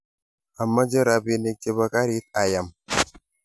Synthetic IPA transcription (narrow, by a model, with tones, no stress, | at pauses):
a˨mːa˦d͡ʒe˦ɾa˨bi˦ni˦k̚t͡ʃe˦ba˦ka˦ɾi˦t̪̚a˨ja˨m